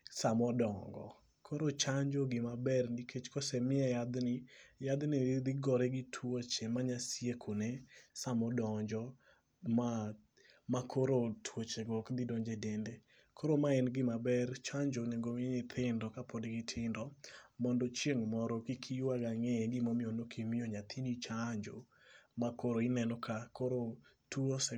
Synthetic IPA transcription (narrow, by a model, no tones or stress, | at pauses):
samɔdɔŋɡɔ̰ | kʰoɾot͡ʃaɲd͡ʒoɡɪmabɛrnikʰet͡ʃkɔsɛmɪɛjad̪nɪjad̪nɪd̪ɪɡɔɾɛɡɪtʰwot͡ʃemaɲasiekʰunesamɔdɔɲd͡ʒɔ | ma | makʰoɾotʰwot͡ʃeɡɔkd̪ɪdɔɲd͡ʒedende | kʰoɾomaɛnɡɪmabɛrt͡ʃaɲd͡ʒonɛɡomnɪt̪ʰɪndɔkapʰodɡɪtʰɪndɔmɔndɔt͡ʃjeŋmɔɾɔkikʰiwaɡaŋɛɡɪmɔmɪɔnokʰimɪjoɲat̪ʰinit͡ʃaɲd͡ʒo̰ | makoɾoɪnɛnɔkʰakoɾo | tuosɛ